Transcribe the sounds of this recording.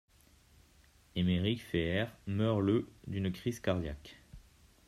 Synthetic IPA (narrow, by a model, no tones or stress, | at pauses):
emeʁikfeɛʁmœʁləd̪ynkχizkaʁd̪ja̰k